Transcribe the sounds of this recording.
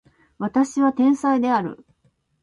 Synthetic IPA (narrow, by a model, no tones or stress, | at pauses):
βat̪aɕiβat̪ẽ̞ɰ̃said̪e̞aɾɯ̟̰